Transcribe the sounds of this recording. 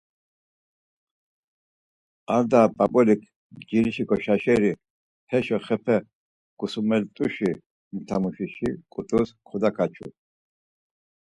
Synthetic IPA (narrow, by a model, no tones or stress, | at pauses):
aɾd̪apʼabʼɔlikʰ | d͡ʒiliʃikɔʃaʃɛɾi | hɛʃɔχɛpʰɛ | ɡ̥usumɛlt̪ʼuʃi | mt̪ʰamuʃiʃikʼut̪ʼuskʰud̪akʰat͡ʃʰṵ